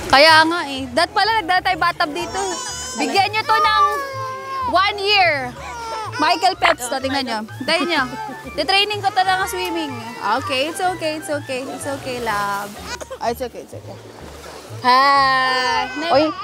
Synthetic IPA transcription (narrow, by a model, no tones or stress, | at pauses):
kɐjaʔŋaʔɛd̪ɐt̪̚pɐlanɐɡ̚d̪aːat̪ːaːjbaːt̪ɐb̚d̪iːt̪o | bɪɡjanɲot̪o̞nɐŋ | wanjiɹ | majkɛlpɛt̪st̪ot̪ɪŋnɐnɲɲot̪ɐjɐnɲo | t̪ɛt̪ɾejnɪŋkot̪onɐŋaswiːmɪŋʔoːkejɪt̪sʔoːkejɪt̪sʔoːkɛjɪt̪soːkejlab̚ʔaɪsoːkejɪt̪soːkej | ha | nɛoj